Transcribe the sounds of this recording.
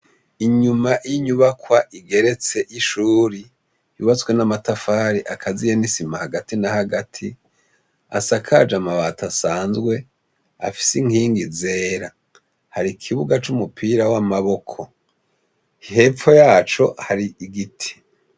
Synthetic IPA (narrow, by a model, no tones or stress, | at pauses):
iɲumajiɲuβakwaʔiɡe̞ɾe̞t͡se̞ʔiʃuːɾi | juːβat͡swe̞namatafaːɾiʔakʰazijenisimahaɡatinahaɡatʰi | a̰sakʰad͡ʒamaβaːtasaːnzɡwe̞ | a̰fi̥siŋhiːŋɡize̞ːɾa | haɾikʰiβuɡat͡ʃumupʰiːɾawamaβo̞kʰo̞ | he̞p͡fo̞jaːt͡ʃo̞haɾiiɡitʰi̥